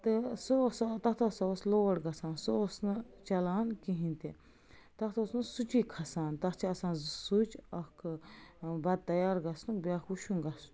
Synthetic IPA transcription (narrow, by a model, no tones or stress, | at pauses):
t̪ɨsost̪ɐt̪ʰosaosloːɐɽɡɐsaːnsɨosnɨt͡ʃɐlaːnkĩɦĩnt̪e | t̪ɐt̪ʰosnɨsut͡ʃikʰɐsaːnt̪ɐt͡ʃʰiɐsaːnzsut͡ʃɐk | bɐd̪̚t̪ɐjaːɾɡɐsnɨbʲakuʃunɡɐsn